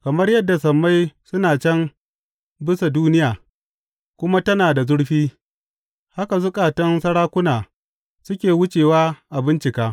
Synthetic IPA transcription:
kɐ˨mɐ˦rjɐ˦dːa˨sɐ˨mːa˦jsʊ˦naː˨t͡ʃɛ˦m | bɪ˦sa˨duː˦nɪ˦jaː˨ | kʷʊ˦ma˦tɐ˦naː˨da˨zʊ˦ɽɸiː˦ | ha˦ka˨zʊ˦kʼaː˨tɐ˦nsɐ˦ɽaː˦kʷʊ˦naː˨ | sʊ˦kʲeː˨wʊ˦t͡ʃeː˨waː˦ʔa˨bɪ˦nt͡ʃɪ˨kaː˦

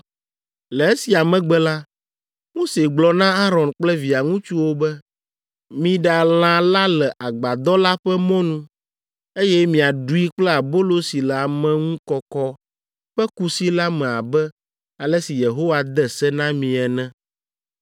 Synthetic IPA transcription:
lɛ˨e˦si˨a˨mɛ̃˨ɡ͡bɛ˦la˦ | mo˦se˨ɡ͡blɔ˨nã˦a˦ɾɔ̃˨nk͡plɛ˦vi˨a˨ŋũ˦t͡ʃu˦wo˦bɛ˦ | mĩ˦ɖa˨l̃ã˨la˦lɛ˨ʔa˨ɡ͡ba˨d̪ɔ˦la˦ɸɛ˦mɔ̃˦nũ˦ | e˦jɛ˦mĩ˨a˨ɖu˦i˦k͡plɛ˦a˨bo˦lo˦si˨lɛ˨a˨mɛ̃˦ŋũ˦kɔ˦kɔ˦ | ɸɛ˦ku˦si˦la˦mɛ̃˨a˨bɛ˦ | a˨lɛ˦si˨je˨ɦo˦wa˨d̪ɛ˦sɛ˦nã˦mĩ˨ɛ˨nɛ̃˦

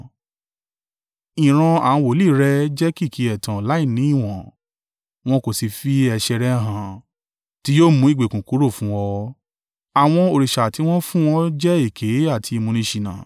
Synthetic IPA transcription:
ĩ˨ɾ̃ã˧ã˨˦˧wo˨li˦˨˦ɾɛ˧d͡ʒɛ˦ki˦˨kʰi˨˧˦ɛ˨tã˨la˨˦i˦˨nĩ˨˦i˦˨w̃ɔ̃˨ | w̃ɔ̃˦ko˦˨si˧fi˦ɛ˧ʃɛ˧ɾɛ˦ɦã˨ | ti˦joː˦mũ˨˦i˦˨ɡ͡be˨kũ˨ku˨˦ɾo˦˨fũ˦wɔ˧ | a˨w̃ɔ̃˧o˧ɾi˨ʃa˨ti˧˦w̃ɔ̃˦fũ˦wɔ̃˦d͡ʒɛ˦i˦˨kʰe˨˦a˦˨tʰi˧i˧mũ˧nĩ˧ʃi˧nã̰ː˨

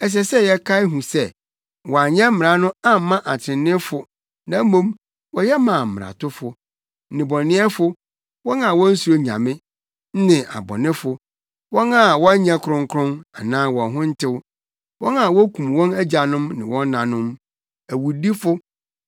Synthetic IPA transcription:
ɛ˨s̬ɛ˨sɛ˦jɛ˦kʰa˦ɪ˦ɦũ˨sɛ˦ | wɔ˨a˨ɲɛ̃˦m̩˦m˨ɾa˨nʊ̃˦a˦m˦mã˦ʔa˨tʰɪ̃˨nɪ̃˦fʊ˨ | nã˦mõ˦m | wɔ˦jɛ˦mã˨m̩˨m˨ɾa̰˨tʰʊ˦fʊ˨˦ | nɪ̃˨bɔ˨nɪ̃˦ɛ˦fʊ˦ | wɔ̃˦nã˨wɔ̃˦n̩˦su˨ɾo˦ɲã̰˨mɪ̃˦ | n̩˦nɪ̃˨ʔa̰˨bɔ̰˨nɪ̃˦fʊ˨ | wɔ̃˦nã˦˨wɔ˦ɲɛ̃˦kʰʊ˨ɾʊ̃˦ŋ˦kʰʊ̃˦na˨nãː˦wɔ̃˨ɦʊ̃˦n̩˦tʰɪ˦w | wɔ̃˦na˨wɔ˦kʰũ˨m˨wɔ̃˦næ˦d͡ʑa˨nʊ̃˦mnɪ̰̃˨wɔ̃˦nː˦ã˨nʊ̃˦m | æ˨wu˨di˦fʊ˦

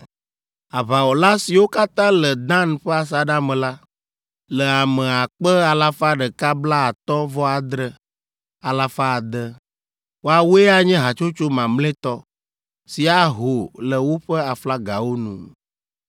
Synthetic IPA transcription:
a˨βa˨wɔ˨la˦si˨wo˦ka˦t̪ã˦lə˨d̪ã˦n˨ɸɛ˦a˨s̬a˨ɖa˦mɛ̃˨la˦ | lə˨a˨mɛ̃˨a˨k͡pə˦a˨la˦fa˦ɖə˨ka˦bla˦a˨t̪ɔ˦vɔ˦a˨d̪ɾə˦ | a˨la˦fa˦˨d̪ə˦ | wo˦a˨wu˦e˦a˦ɲɛ̃˦ɦa˨t͡ʃo˦t͡ʃo˦mã˨mlẽ˦t̪ɔ˦ | si˨a˨ɦo˨lə˨wo˦ɸə˦a˨fla˦ɡa˨wo˦nṵ̃˨

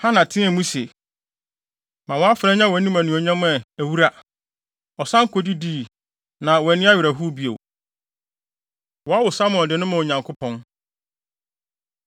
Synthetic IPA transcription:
hã˦nã˨tʰɪ̃˦ɛ˨mũ˦se˨ | mã˨wɔ˨˦a˦fɾɛ̃˦ɲã˦wɛ˨˦nĩ˦mæ̃˨nũ˨ɔ˨ɲã˦mʊ̃˦ɛ˨æ˨wu˦ɾa˦ | ɔ˨sã˦ŋ˦kʰo˨di˦di˦˨ | nã˨wɔ˨ɛ˨nɪ̃˦a˦ɥɪ˨ɾæ˨ɦu˦bi˦o̰˨ | wɔ˨a˦wʊ˨sa˦mʊ̃˨dɪ˨nʊ̃˦mã˨o˨ɲã˨ŋkʰʊ˦pʰɔ̃˦n

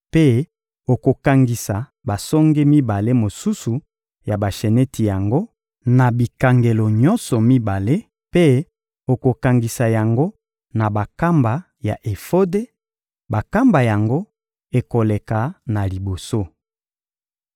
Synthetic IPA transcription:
pe˦ | o˨ko˨ka˨ŋɡi˨sa˨ | ba˨sɔ˦ŋɡe˦mi˦ba˨le˦mo˨su˦su˨ | ja˨ba˨ʃe˨nɛ˦tʰi˨ja˨ŋɡo˦ | na˨bi˨ka˨ŋɡe˨lo˨ɲɔ˦nsɔ˨mi˦ba˨le˦ | pe˦ | o˨ko˨ka˨ŋɡi˨sa˨ja˨ŋɡo˦ | na˨ba˨ka˦mba˨ | ja̰˨ʔe˨fo˦de˦ | ba˨ka˦mba˨ja˨ŋɡo˦ | e˨ko˨le˨ka˨na˨li˨bo˨so˦

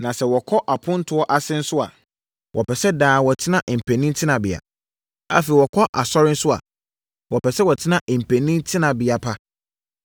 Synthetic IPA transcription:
nã˨sɛ˨wɔ˨kʰɔ˦ʔa˨pʰʊ̃˦n̩˦tʰʊ˦ɔ˦ʔa˨sɪ̃˦n̩˦sʊ˦a̰˨ | wʔɔ˨pʰɛ˨sɛ˦daː˨wɔ˨tʰɪ˦nã˦ʔm̩˨pʰɛ̃˨nĩ˦n˦tʰɪ˦nã˨bɪ˨a̰˨ | a̰˦fe˨i˨wɔ˨kʰɔ˦ʔa˨sɔ˦ɾɪ̃˦n̩˦sʊ˦a̰˨ | wɔ˨pʰɛ˨sɛ˦wɔ˨tʰɪ˦nã˦ʔm̩˨pʰɛ̃˨nĩ˦n˦tʰɪ˦nã˨bɪ˨a˨pʰa˦

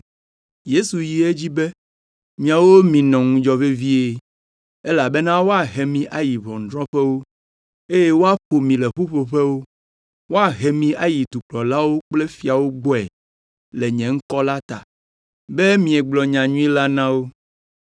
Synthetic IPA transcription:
je˦su˨ji˨e˦d͡ʑi˦be˦ | mĩ˨a˨wo˦mĩ˨nɔ̃˨ŋũ˦d͡ʒɔ˨ve˦vi˦e˨ | e˦la˨be˦nã˦wo˦a˨ɦe˨mĩ˨ʔa˨ji˨βɔ̃˨ŋ̩˨d̪ɾɔ̃˦ɸɛ˦wo˦ | e˦je˦wo˦a˦ɸo˨mĩ˨lɛ˨ɸu˦ɸo˨ɸe˦wo˦ | wo˦a˨ɦe˨mĩ˨a˨ji˨d̪u˨k͡plɔ˨la˦wo˦k͡ple˦fi˨a˨wo˦ɡ͡bɔ˦ɛ˨ | le˨ɲɛ̃˨ŋ̩˦kɔ˦la˦t̪a̰˨ | be˦mĩ˨ɛ˨ɡ͡blɔ˨ɲã˨ɲũ˦i˦la˦nã˦wo˦

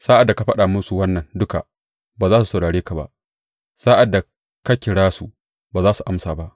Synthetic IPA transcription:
saː˦ʔa˨dːa˨ka˨˦ɸɐ˦ɗa˨mʊ˦su˨wɐ˦nːɐ˨ndʊ˦ka̰˨ | baː˨zaː˦su˨sa˨wɽaː˨ɽeː˦ka˨ba̰˦ʔ | saː˦ʔa˨dːa˨ | ka˦kʲɪ˨ɽaː˦su˨ | baː˨zaː˦su˨ʔa˦msaː˨ba˦ʔ

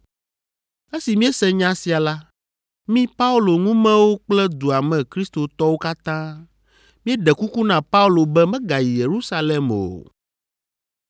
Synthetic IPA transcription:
e˦si˨mĩ˦e˦sɛ˦ɲã˦si˨a˨la˦ | mĩ˦pa˦u˦lo˨ŋũ˦mɛ̃˦wo˦k͡plɛ˦d̪u˨a˨mɛ̃˨kɾi˦st̪o˨t̪ɔ˦wo˦ka˦t̪ã˦ | mĩ˦ɛ˦ɖɛ˨ku˦ku˦nã˨pa˦u˦lo˨bɛ˦mɛ̃˦ɡa˨ji˨je˨ɾu˦sa˦lɛ˨mo̰˨

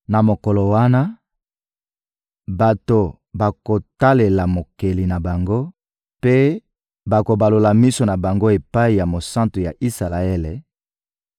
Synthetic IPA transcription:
na˨mo˨ko˨lo˨wa˦na˦ | ba˨to˨ | ba˨ko˨ta˦le˨la˨mo˨ke˨li˨na˨ba˨ŋɡo˦ | pe˦ | ba˨ko˨ba˨lo˨la˨mi˦so˨na˨ba˨ŋɡo˦e˨pa˦i˨ja˨mo˨sã˦nto˨ja˨ʔi˦sa˨la˨e˦le˨

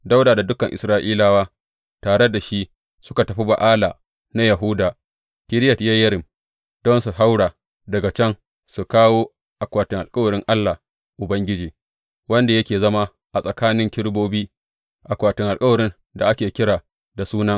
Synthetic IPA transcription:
da˦wdaː˨da˨dʊ˦kɐ˨ŋʔɪ˨sɾaː˦ʔiː˦laː˨waː˦ | taː˨ɽe˦da˨ʃi˦ | sʊ˦ka˨tɐ˨ɸi˦ba˨ʔaː˦laː˨ | na˦jɐ˨ɦʊ˦daː˨ | kʲɪ˦ɾɪ˦jɐ˨tja˦jɐ˦ɾɪ˨m | d̥ɔ˦nsu˨ɦa˦wɽaː˨ | dɐ˨ɡa˨t͡ʃɛ˦ŋ | su˨kaː˦woː˦ | ʔa˨kʷaː˨tɪ˨ŋʔa˨lkʼɐ˦wɐ˨ɾɪ˦ŋʔa˦lːa˨ | ʔʊ˨bɐ˦ŋɡʲɪ˦d͡ʒeː˨ | wɐ˦nda˨jɐ˦kʲeː˨zɐ˦ma˦ | ʔa˨sʼɐ˨kaː˦nɪ˦ŋkʲɪ˦ɽboː˦biː˦ | ʔa˨kʷaː˨tɪ˨ŋʔa˨lkʼɐ˦wɐ˨ɾɪ˦n | da̰˨ʔa˦kʲeː˨kʲɪ˦ɽaː˨ | da˨suː˦nɐ˦ŋ

